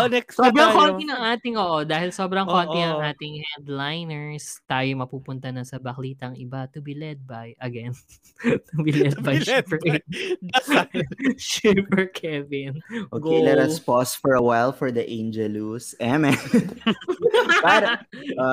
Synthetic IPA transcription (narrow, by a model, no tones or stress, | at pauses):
nɛsobɾɐŋkot̪inɐŋʔaːt̪ɪŋʔoːʔod̪aːhɪlso̞ːbɾɐŋkoninɐŋʔaːt̪ɪŋhand̪lajnɛɹst̪aːjomɐpuːpʊnt̪ɐnɐsɐbɐkliːt̪ɐŋɪbat̪ʊbilɛd̪̚bajʔɐɡɛn | t̪ʊbilɛd̪̚bɐjʃp | ʃupɛɹkʰɛvɪnʔoːkelɛɾɐspɔsfɔɹɐwajlfɔɹd̪ɐʔẽnd͡ʒɛlusɛmɛ | pa